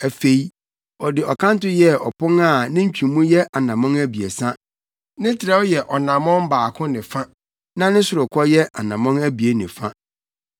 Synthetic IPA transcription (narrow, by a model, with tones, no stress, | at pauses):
æ˨fe˨i˦ | ɔ˨dɪ˨ɔ˨kʰã˦n̩˦tʊ˦jɛ˦ɔ̰˨pʰʊ̃˦ŋa˦˨nɪ̃˦ɲ̩˦t͡ɕᶣĩ˨mũ˦jɛ˦ʔa˨nã˨mɔ̃˦ŋæ˦bi˨e˨sã˦ | nɪ̃˦tʰɪ˨ɾɛ˦wɔ˦jɛ˨ʔɔ˨nã˨mɔ̃˦m˦baː˨kʰʊ̃˦nɪ̃˨fã˦ | nã˦nɪ̃˦sʊ˨ɾʊ˨kʰɔ˦jɛ˦ʔa˨nã˨mɔ̃˦ŋæ˦bi˨e˦nɪ̃˨fã˦